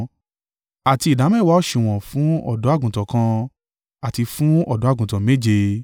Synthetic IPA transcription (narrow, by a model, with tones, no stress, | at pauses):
a˨ti˧i˨da˨˦mɛ˦˨wa˦ɔ˦˨ʃĩ˧˨w̃ɔ̃˨fũ˨˦ɔ̰˦˨dɔ̃˨˦a˦˨ɡũ˨tɔ˨kã˧ | a˨ti˧fũ˦ɔ˦˨dɔ̃˨˦a˦˨ɡũ˨tɔ̃˨me˦˨d͡ʒe˧